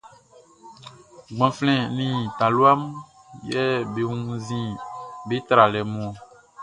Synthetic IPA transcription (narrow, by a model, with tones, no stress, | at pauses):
ɡ͡bɔ̃˨flɛ̃˨nĩ˨t̪ã˨lu˦a˦m | jɛ˦be˨ŋũ˦zĩ˦be˦t̪ɾa˨lɛ˨mɔ̃˨